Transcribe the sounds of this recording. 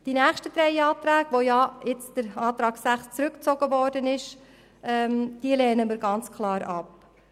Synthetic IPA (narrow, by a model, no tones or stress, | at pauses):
d̥inæːχʃtəd̥ɾɛɪɑːt̪ɾæːɡʋojɑɪt͡sd̥əɾɑːt̪ɾɑːɡsæχst͡sɾɵkt͡sɔɡəvɔːɾdənɪʃ | ɛːmd̥iːəlɛːnəmiːɾɡɑnt͡skʰlɑːɾɑ̰p